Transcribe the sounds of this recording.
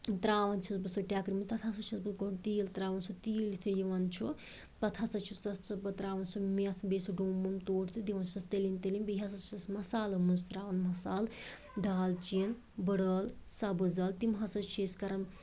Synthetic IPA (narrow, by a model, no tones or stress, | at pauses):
t̪ɾaːʋɐnt͡ʃʰusbɐsoʈjaːkɾimit̪ɐt̪ʰasɐt͡ʃʰusbɨsɡont̪iːlt̪ɾaːʋɐnsʰut̪iːlt̪ʰujiʋɐnt͡ʃʰu | t̪ɐt̪ʰasɐt͡ʃʰusɐsɐbɐt̪ɾaːʋɐnsumet̪ʰbesuɖoːmunt̪oːʈʰt̪ʰud̪iʋɐnt͡ʃʰuɐst̪elint̪elinbiɦasɐt͡ʃʰɐsmɐsaːlɐmɐnst̪ɾaːʋɐnmɐsaːl | d̪aːlt͡ʃiɐn | bəɽɐːlsabɨzɐlt̪imɦɐsɐt͡ʃʰeskɐɾɐm